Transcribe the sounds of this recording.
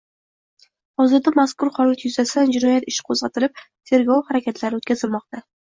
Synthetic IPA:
hɒzɨɾd̪amaskʊɾhɒlˠat̪ʰjʊzasand͡ʒɪnɒjat̪ɪʃqʰozʁɑt̪ʰɪɾɪp̚t̪ʰe̞ɾɡɒwhaɾakʲʰat̪ʰlaɾɪot̪kʲazɪlmɒqt̪a

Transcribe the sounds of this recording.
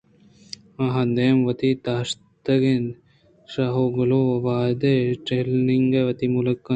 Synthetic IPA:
ɐɦɐ̃nd̪emʋɐt̪it̪aːʂ | t̪ɐɡen | ʃaːɦoɡɐluɐʋaːd̪eʈeːlniŋɡeʋɐt̪imulɐkːɐ

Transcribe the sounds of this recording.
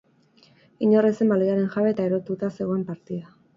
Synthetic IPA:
iɲo̞rese̞mbaliaɾe̞nxaβe̞t̪aeɾo̞t̪ut̪ase̞ɣo̞empaɾt̪iða

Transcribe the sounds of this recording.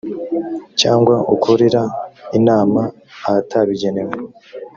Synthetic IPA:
caːŋɡwaʔukʰuɾiɾainaːmaː | ataβiɟe̞newe

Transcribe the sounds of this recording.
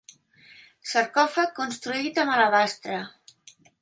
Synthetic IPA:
səɾkɔfakːunst̪ɾuit̪əmalaβast̪ɾə

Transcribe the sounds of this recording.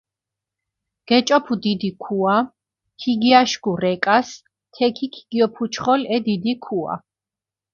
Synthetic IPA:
ɡ̥ɛt͡ʃʼɔpʰud̪id̪ikʰua | kʰiɡiaʃɡuɾɛkʼas | t̪ʰɛkʰikʰi̥ɡ̥iɔpʰut͡ʃʰχɔlɛd̪id̪ikʰua̰

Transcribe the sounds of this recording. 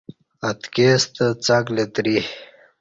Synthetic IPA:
ɐt̪kest̪ət͡saklet̪ɾih

